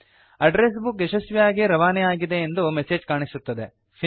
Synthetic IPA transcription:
ɐɖɾes̬bukeʃɐsʋijaːɡiɾɐʋaːnɛjaːɡid̪e̞ːnd̪umese̞ːd͡ʒkaːɳisut̪ːɐd̪e̞ | pʰi

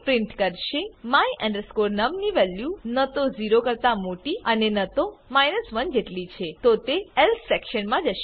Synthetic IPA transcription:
pɾɪ̃ɳʈkəɾʃemãjʔɛ̃ɳɖəɾskoɾnəmniʋɛljunət̪oziɾokəɾt̪amoʈiənenət̪omajnəsʋənd͡ʒeʈlit͡ʃʰet̪ot̪eelsʰsɛkʃənmãd͡ʒəʃe

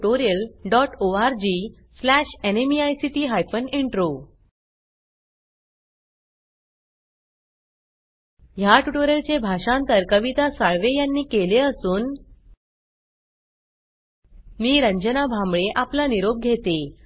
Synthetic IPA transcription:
oɾiəlɖɔʈoaɾd͡ʑiː | slæɕenemiajsiʈiːɦajfəneɳʈɾo | ɦjaʈuʈoɾjəlt͡ɕebʱaɕãnt̪əɾkəʋit̪asaɭʋejanːiːkeleəsuːn | niːɾə̃ɲd͡ʑənabʱãmbɭeʔaplaniɾob̚ɡʱet̪e

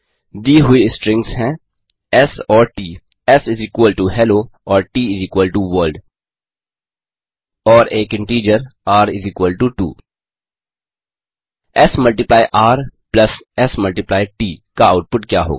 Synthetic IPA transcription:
d̪iːɦʊiɪsʈɾɪ̃ŋɡsɦɛ̃ː | ɛsɔːɾʈiː | ɛsɪziːkwəlʈuɦɛːloɔːɾʈiːɪziːkwəlʈuʋəːlɖ | ɔːɾeːkɪ̃ɳʈiːd͡ʒəɾaːɾɪziːkwəlʈuʈṵː | ɛsmɐlʈɪplaːɪʔaːɾplɐsɛsmɐlʈɪplaːɪʈiːkaaʊʈ̚pʊʈkja̰ːɦo̰ːɡ

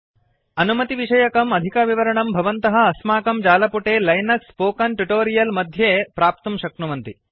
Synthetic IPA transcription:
ɐnumɐt̪iʋiʂɐjɐkɐmɐd̪ʱikɐʋiʋɐɾɐɳɐmbʱɐʋɐnt̪ɐɦɐ̆ːsmaːkɐmd͡ʒaːlɐpuʈeːlɐjnɐkspoːkɐnʈuʈoːɾijɐlmɐd̪ʱjeːpɾaːp̚t̪ɐmʃɐkɳuʋɐnt̪i

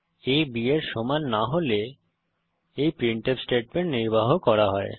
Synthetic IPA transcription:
ebieɾʃomanːaɦole | ejpɾiɳʈepsʈeʈ̚meɳʈniɾbaɦokɔɾaɦɔe

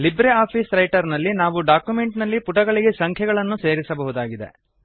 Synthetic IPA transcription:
libɾeaːpʰiːsɾɐjʈɐɾnɐlːinaːʋuɖaːkjume̞ɳʈnɐlːipuʈɐɡɐɭiɡe̞sɐŋkʰjɛɡɐɭɐnːuse̞ːɾisɐbɐɦud̪aːɡid̪e̞̰

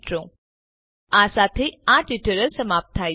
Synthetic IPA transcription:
ʈɾõ | ãːsaːt̪ʰeãːʈliʈəɾəlsəmaːp̚t̪ʰaː

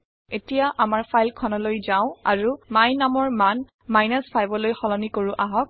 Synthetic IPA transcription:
etijaʔamaɹpʰajlkʰɔnɔlojzaʊ̃a̰ɹumajnamɔɹman | majnaspʰajbɔlojxɔlɔnikoɹũʔaɦɔk̚

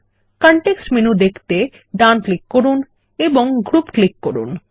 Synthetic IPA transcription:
kɔɳʈeksʈmenud̪ekʰt̪e | ɖanklikːoɾun | eboŋɡɾupklikːoɾṵn

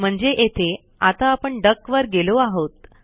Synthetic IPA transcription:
m̤əɳd͡zeʔet̪ʰe | at̪aːpəɳɖəkʋəɾɡeloaɦot̪

